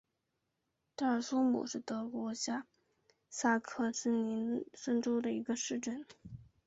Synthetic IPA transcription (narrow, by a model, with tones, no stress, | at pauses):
t̪a˥˩˥sʊ˥mṵ˨˩ʂɻ̩˥˩t̪ɤ˧˥kwɔ˧˥t͡ɕja˥ | sa˥kʰɤ˥˧ʂ̩˥ni˧˥nʂə˥ŋʈ͡ʂo˥ʊd̪ə˨i˧˥ɡə˧ʂɻ̩˥˧ʈ͡ʂə˥˩n